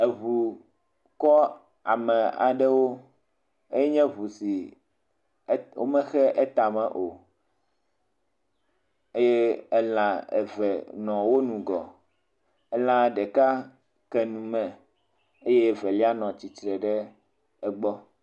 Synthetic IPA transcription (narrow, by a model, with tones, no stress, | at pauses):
e˨βu˨ | kɔ˦ | a˨mɛ̃˨a̰˨ɖɛ˦wo˦ | e˦jɛ˦ɲɛ̃˦βu˨si˨˦ | wo̰˦mɛ̃˦xɛ˦ʔɛ˦t̪a˨mɛ̰̃˨ʔo˨ | e˦je˦ɛ˦lã˨ḛ˨vɛ˨nɔ̃˨wo˦nũ˨ɡɔ̰˨ | ɛ˦lã˦ɖɛ˨ka˦ | kɛ˨nũ˨mɛ̃˨ | e˦je˦˨vɛ˨li˦a˦nɔ̃˨t͡ɕi˨t̪ɾɛ˨ɖɛ˦ | ɛ˦ɡ͡bɔ˦